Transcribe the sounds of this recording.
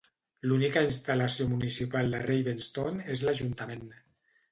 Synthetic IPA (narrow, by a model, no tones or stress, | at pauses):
lunikainst̪alasiomunisipalˠd̪ərejβenst̪onezlaʒunt̪amen